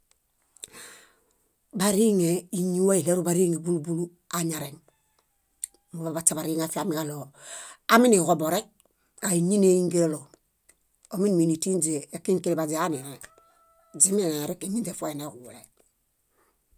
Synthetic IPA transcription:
ba˨ɾi˦ŋe˨i˨ɲu˦we˦i˨le˦ɾu˦ba˨ɾi˦ŋe˨bu˦lu˦bu˦lu˦ | a˨ɲa˨ɾe˨n | mu˨βa˨ba˨t͡ʃa˦ba˨ɾiː˦ŋa˨fi˦a˨mi˨ka˦lo˨a˦mi˦ni˨ko˨bo˨ɾe˦k̚ | a˨i˨ɲi˦ne˦i˦ŋɡe˦lo˦lo˨ | o˨mi˦nmi˨ni˨ti˦nd͡ʒe˨e˨kːi˦ŋki˦li˨ba˨d͡ʒe˨a˦ni˨ɾe˨ | d͡ʒi˦mi˦a˨ɾi˦ke˨ɲi˦nd͡ʒe˨fo˦e˨ne˨ku˨wu˨le˨

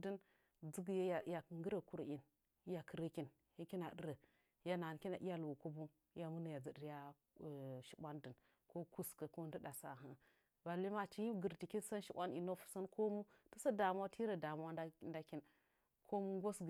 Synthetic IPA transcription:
di˦n | d͡zə˦ɡja˦jja˨ŋɡə˦ɾə˨ku˦ɾi˨n˦ | ja˨kə˨ɾə˦ki˨n | hi˦ki˦na˨də˦ɾə˨˦ | ja˦na˨n˨ki˦na˨ʔi˦ja˦lu˨wu˨ku˦bu˦ | ja˦˨mu˦na˨ja˨d͡zə˨di˨ɾja˦˨ | ʃi̥˦bʷa˦ndə˨n | ko˦ku˦skə˨ko˦n˦də˦da˨sa̰˨ɦə˦ | ba˨li˦ma˦t͡ʃi˦ji˦mɡə˨ɾti˨ki˦n˦sa˦nʃi˦ɓa˦ni˨no˦fu̥˨sa˦nko˦mu˦tə˦sa˦da˨m˦a˦tʰi˦ɾə˨da˨m˦a˦nda˦ki˦n | kʰo˦mu˦ɡʷo˦sɡ

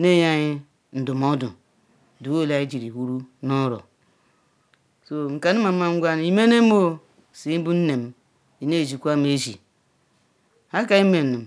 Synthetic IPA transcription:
ne˦˨ja˦ɲi˦ | n̩˨du˨m˨o˦du˨ | du˨wo˦la˨˦i˦d͡ʒi˨ɾi˨wu˦ɾu˦nɔ˦ɾɔ̰˨ | so˨ŋ̩˨ka˨ni˦ma˨˦ma˨ŋ̩˦ɡʷa˦n˨i˨me˦ne˦m˦o˦ | si˨˦bu˦n̩˦ne˨m˦ | i˨ne˦˨d͡ʒi˨kʷa˦m˦e˦zḭ˨ | ha˦ka˨˦i˦me˨ni˨m˨

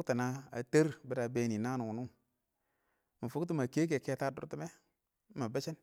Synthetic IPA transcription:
kta˨na˦a̰˨te˦ɾbə˦da˨be˨ni˨na˦nu˨wu˨nu˦ŋ | mi˨fu˦kt̬i˦ma˨ke˦k̬e˨ke˦ta˦dṵ˨˦ɾti˦me˦ | ma˨be˦t͡ʃi˦n

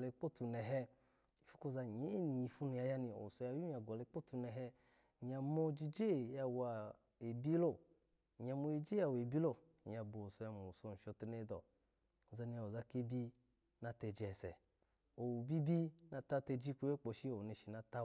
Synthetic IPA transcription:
le˧k͡po˦˨tu˧nɛ˨ɦɛ˧ | i˨fu̥˦ko˧za˧˨ɲe˨˦˨ni˨ji˧fu˦nu˧ja˧ja˧ni˧˨o̰˨wu˨so˧ja˧ju˦a˧ɡɔ˨le˧˦k͡po˦˨tu˧nɛ˨ɦɛ˧˨ | ɲa˧mo˧d͡ʒi˧d͡ʒe˦˨ja˧wa˨ | e˨bi˦lo˦˨ | ɲ˨a˧mo˧e˧d͡ʒe˦a˧˨we˨bi˦lo˦˨ | ɲ˨a˧bo˨so˧ja˧mo˨u˨so˧˨n̩˨ʃɔ˧tu˧ne˧˦dɔ̰˨ | za˧ni˧˨o˨za˧ke˧bi˦ | na˧tɛ˧d͡ʒɛ˨sɛ̰˨ | o˨wu˨bi˦bi˦na˧ta˧˦tɛ˧d͡ʒi˦ku˧˦e˦k͡po˨ʃi˦o˨ne˧ʃi˨na˧ta˧

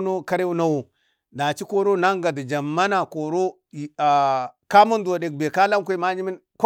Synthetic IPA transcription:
no˦ka˦ɾe˦u˦na˦wo˨ | na˨t͡ʃi˦ko˦ɾo˦na˦ŋɡa˨da˨d͡ʒa˨mːa˦na˨ko˨ɾo˦˨ | ka˦mu˦ndu˨a˨de˨k̚be˨ka˦la˦mkʷu˦˨ma˦d͡ʒi˦mi˦nk

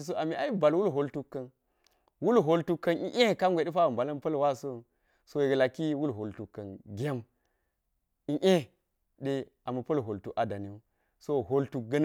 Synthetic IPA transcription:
i˨s̬o˦a˨mi˨a˨i˦ba˨lwu˦lɦo˨ltu˦kːɐ˨n | wu˦lɦo˨ltu˦kːɐ˨nʔi˦ʔe˦˨ka˦mɡʷe˨ɗi˦fa˦u˨mba˨lɐ˦npɐ˦lwa˦so˦˨ | so˦ji˨ɡə˨la˨ki˦wu˦lɦo˨ltu˨kːɐ˨nɡʲe˦m | i˦ʔe˦ | de˦ | a˨mɐ˨pɐ˦lɦo˨ltu˨a˨da˨ni˨u˦ | so˦˨ɦo˨ltu˨k̚ɡɐ˦n

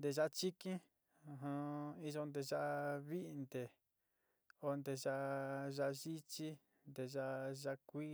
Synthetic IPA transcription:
nd̪e˧ʒa˦t͡ʃi˦kĩ˦˧ | ɦã˧i˧ʒo˧nd̪e˧ʒa˧ʔβi˦ʔnd̪e˨ | o˧nd̪e˧ʒa˧ʔʒa˧ʒi˦t͡ʃi˦ | nd̪e˧ʒa˧ʒa˧kʷi˦

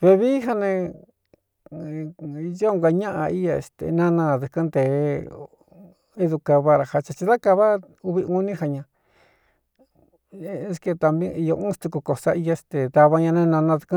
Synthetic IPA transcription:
βe˧βi˦ɦa˧nẽ˧ | jo˦˧ŋɡa˧ɲã˦ʔa̰˧i˦ja˧ḛ˧st̪ḛ˨nã˦˧nã˧ðu˨˧kɨ˦nd̪e˨˦ | i˦ðu˧ka˧βa˧ɾa˧˨ha˧t͡ʃa˧t͡ʃi˧ða˦ka˧βa˦ | u˧βi˧u˦nĩ˦ha˧ɲã˧˦ | ske˧t̪a˧mbĩ˦i˧jo˧ũ˦st̪u˧ku˧ko˨sa̰˦i˧ja˧e˧st̪e˨d̪a˧βa˧ɲã˧nẽ˧nã˧nã˧ðu̥˧kɨ̃˦

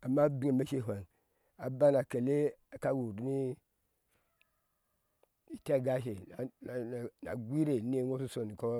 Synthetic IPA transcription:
a˨mːa˦bi˦ŋe˨ma˦ʃe˦˨ɦʷa˨ŋ | a˨ba˦na˨ke˨le˦a˨ka˦wu˨ɾi˦ni˦ | i˨ta˦˨ɡa˦ʃe˨na˨na˨n˨na̰˨ɡʷi˦ɾe˨˦n˦e˦ŋo˦su˦so˨ni˨ko˦

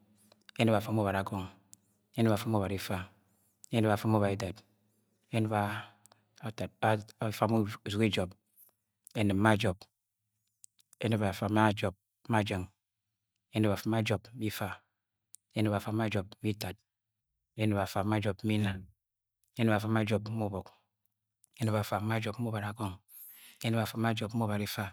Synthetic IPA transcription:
e˦ne˦ba˨fa˨mo˦ba˨ɾa˨kɔ˨ŋ | e˦n˦ba˨fa˦mo˦ba˨ɾi˨fa˦ | e˦ne˦ba˨fa˦mo˦βa˨ɾi˨ta˨t | e˦n˦ba˨ | ta˨a˦fa˦m˦˨zu˨ke˦d͡ʒɔ˨p | e˦nɨ˨m˦ma˦˨d͡ʒɔ˨b̚ | e˦ni˦ba˨fa˨ma˦d͡ʒɔ˨p̚a˦d͡ʒə˨ŋ | e˦nə˦ba˨fa˦ma˦d͡ʒɔ˨bm̩˦bi˦fa˨ | e˦nə˦ba˨fa˨˦ma˦d͡ʒɔ˨b̩̚˦i˦ta˨t̚ | e˦nɨ˨ba˨fa˨˦ma˦d͡ʒɔ˨pm̩˦i˦na˨n | e˦ne˦ba˨fa˨˦ma˦d͡ʒɔ˨pm̩˦mo˦bɔ˨k | e˦nə˦ba˨fa˨˦ma˦d͡ʒɔ˨p̩̚˦o˦ba˨ɾa˨ɡɔ˦ŋ | e˦nɨ˦ba˨fa˨˦ma˦d͡ʒɔ˨p̚m̩˦o˦ba˨ɾi˦fa˦

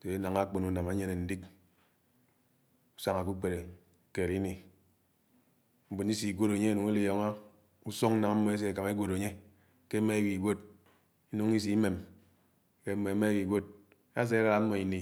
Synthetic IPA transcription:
se˨˦na˨ŋa˦k͡po˨nu˦na˨ma˨˦ɲe˦ne˨n̩˦di˦k | u˦sa˨ŋa˨k̬u˦k͡pe˨ɾe˨ | ke˨ɾi˦ni˨ | m̩˦bu˨ni˦si˨ɡʷo˦ɾo˨ɲe˦e˦˨nu˨ŋe˦li˦˨jɔ˨ŋa˦ | u˦so˦ŋ̩˦na˨ŋa˦mːɔ˨˦e˦s̬e˨e˨ka˨me˦ɡʷo˨ɾo˨ɲe˦ | ke˦me˦e˦wi˨ɡʷo˦d̚ | i˦no˦ŋi˦s̬i˨˦me˨m | ke˦me˨˦me˦wi˨ɡʷo˦d̚ | a˦s̬e˦ɾa˦ɾa˨˦mːɔ˨i˨ni˨

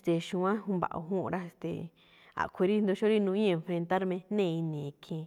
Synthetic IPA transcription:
st̪e˨ʃũ˧ã˦ɦũ˧mba̰˨ʔo̰˧˨ɦũ˦˧ɾa˦e˧st̪ḛ˨ | a̰˨kʰʷe˧ɾi˦nd̪o˧ʃo˦ɾi˦nũ˧ĩ˦ẽ˧fɾe˧nt̪a˦ɾmẽ˧nẽ˦˨˧i˧nĩ˨˧˨kʰẽ˧˨

